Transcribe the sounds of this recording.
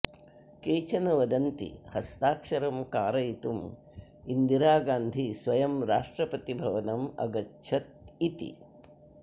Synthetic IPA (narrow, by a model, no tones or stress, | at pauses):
keːt͡ʃɐnɐʋɐd̪ɐnt̪ḭhɐst̪aːkʂɐɾɐmkaːɾɐjit̪um | ind̪iɾaːɡaːnd̪ʱisʋɐjɐmɾaːʂʈɾɐpɐt̪ibʱɐʋɐnɐmɐ̰ɡɐtːʃʰɐt̪̚it̪ḭ